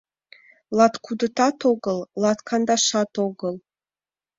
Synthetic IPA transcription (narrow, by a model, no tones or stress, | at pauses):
lɑt̪kud̪ə̆t̪ɑt̪oɡəlˠlˠɑt̪kʰɑnd̪ɑʃɑt̪oɡɤlˠ